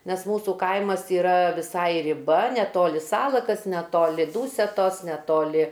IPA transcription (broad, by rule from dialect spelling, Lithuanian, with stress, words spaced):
ˈnʲɛs ˈmuːsuː ˈkɐɪmɐs iːˈrɐ ʋʲɪˈsɐɪ rʲɪˈbɐ nʲɛˈtoːlʲɪ ˈsɑːlˠɐkɐs nʲɛˈtoːlʲɪ ˈduːsʲɛtoːs nʲɛˈtoːlʲɪ